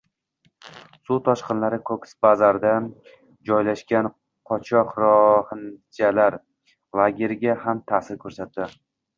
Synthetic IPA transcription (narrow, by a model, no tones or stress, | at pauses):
sut̪ʰɒʃqɨnlaɾɪkʰoksbazaɾd̪a | d͡ʒɒjlaʃkʲan | qʰɒt͡ʃʰɒqɾɒhɪnd͡ʒalaɾ | lˠaɡʲe̞ɾɡʲahamt̪ʰasɪɾkʲʰɵɾsat̪ːd̪ɪ